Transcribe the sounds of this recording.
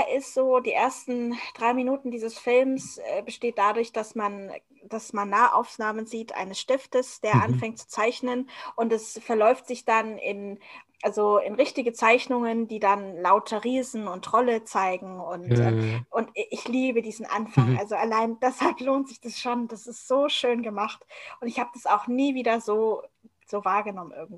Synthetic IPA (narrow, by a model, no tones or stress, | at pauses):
ʔɪstz̥oːdiːʔeːɐstn̩d̥ʁaɪminuːtn̩diːzəsfɪlmsʔɛ̰ːbəʃteːt̚d̥adʊɐçd̥asman | d̥asmanːaːəʔa̰ʊfnaːmənziːtʔa̰ɪnəsʃtɪftəsd̥eːɐʔanfɛŋt̚t͡su̥t͡saɪçnənʔʊntɛsfɛɐlɔʏftz̥ɪçd̥anɪ̰nʔalzoɪnʁɪçtɪɡət͡saɪçnʊŋəndiːdanlaʊtʰɐʁiːzn̩ʊntʁ̥ɔlət͡saɪɡŋ̩ʊntɛʔʊntɪçliːbədiːzn̩ʔa̰nfaŋʔalzoʔalaɪnd̥ɛshalploːntz̥ɪçd̥asʃoːnd̥asɪstz̥oːʃøːnɡəmaχtʔʊntɪçhaːbəd̥asaʊxniːviːdɐzoː | z̥oːvaːɐɡənɔmənʔɪ̰ɐɡŋ̩tv